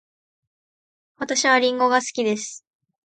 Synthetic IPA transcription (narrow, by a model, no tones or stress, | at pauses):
βat̪aɕiβaɾʲĩŋɡo̞ɡasɨ̥kʲid̪e̞sɨ̥